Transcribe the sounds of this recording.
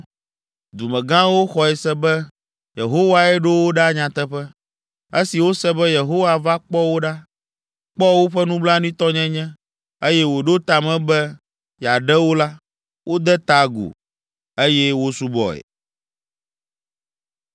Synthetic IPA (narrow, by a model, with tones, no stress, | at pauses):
d̪u˨mɛ̃˨ɡã˦wo˦xɔ˨ɛ˨sɛ˦bɛ˦ | je˨ɦo˦wa˦ɛ˦ɖo˦wo˦ɖa˦ɲã˨t̪ɛ˦ɸɛ˦ | e˦si˨wo˦sɛ˦bɛ˦je˨ɦo˦wa˨va˦k͡pɔ˦wo˦ɖa˦ | k͡pɔ˦wo˦ɸɛ˦nũ˦bla˦nũ˦ĩ˦t̪ɔ˦ɲɛ̃˦ɲɛ̃˦ | e˦jɛ˦wo˨ɖo˦t̪a˨mɛ̃˦bɛ˦ | ja˨ɖɛ˦wo˦la˦ | wʔo˦d̪ɛ˦t̪a˨ɡṵ˨ | e˦jɛ˦wo˦su˦bɔ̰˨ɛ̰˨